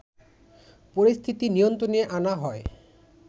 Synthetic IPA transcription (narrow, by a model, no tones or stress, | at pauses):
poɾist̪ʰit̪inijont̪ɾonieʔanaɦɔe